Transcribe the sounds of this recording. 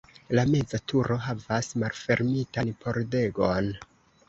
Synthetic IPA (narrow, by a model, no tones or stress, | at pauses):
lame̞d͡zatʰuɾʔo̞ɦavasmalfe̞ɾmitanpʰo̞ɾde̞ɡon